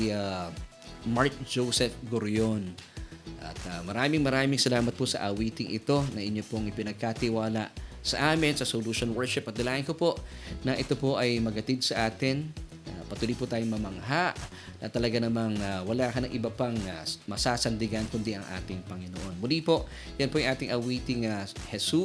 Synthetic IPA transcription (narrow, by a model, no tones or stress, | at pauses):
a | maɹk̚d͡ʒosɛfɡoɾjonʔɐ̰t̪amɐɾaːmɪŋmɐɾaːmɪŋsɐlaːmɐt̪̚posɐ̰ʔɐwiːt̪ɪŋʔɪ̰t̪o̞nɐʔɪɲːo̞poʔŋɪpɪnɐɡ̚kat̪ɪwaːlɐ̰ʔsɐʔaːmɪnsɐsoluːʃonwɛɹʃɪpɐt̪̚d̪ɐlaːʔɪnkopo̞ʔnɐʔɪt̪o̞po̞ʔɐjmɐɡhɐt̪id̪̚sɐʔaːt̪ɪn | pɐt̪uːlipʊt̪aːjoŋmɐmɐŋɦaʔ | nʔɐt̪ɐlɐɡanɐmɐŋwɐlaːkɐnɐŋʔɪbɐpaŋamɐsaːsɐnd̪ɪɡankʊnd̪iɐŋʔa̰ːt̪ɪŋpɐŋɪnoʔo̞nmʊlipo̞ʔ | jɐnpojɐŋʔaːt̪ɪŋʔɐwiːt̪ɪŋɐhɛsu